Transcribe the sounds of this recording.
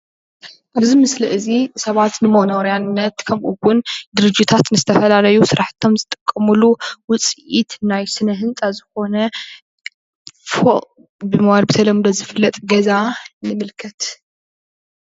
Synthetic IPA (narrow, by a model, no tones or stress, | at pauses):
ʔaβzimɨsliʔɨzisɐβat̪nɨmonɐwɾjanːɐt̪kʰɐmʔuwʊnd̪ɨɾɨd͡ʒit̪ʰat̪nɨzɨt̪ʰɐfɐlalɐjusɨɾaħt̪ʰo̞mzɨt̪ʼɨkʼːɐmuluwʊt͡sʼʔit̪najsɨnɐɦɨnt͡sʼazɨko̞nɐ | foʔʼ | bɨmɨwalbɨt̪ʰɐlɐmd̪ozɨfɨlːɐt̪ʼɡɐzanɨmɨlkʰɐt̪